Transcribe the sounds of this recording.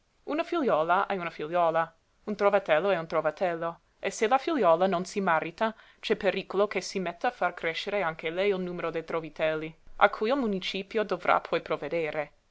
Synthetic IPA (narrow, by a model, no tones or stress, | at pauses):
unafiljɔːlaʔɛunafiljɔːla | unt̪ɾovat̪ɛlːoɛunt̪ɾovat̪ʰɛlːo | eselafiljɔːlanonsimaɾit̪a | t͡ʃɛpeɾikolokesimɛt̪ːafarkɾeʃeɾeaŋkelɛjilnuːmeɾod̪ejt̪ɾovit̪ɛlːiʔa̰kʰujilmunit͡ʃiːpjod̪ovrʔa̰pʰɔjpɾoved̪eːɾe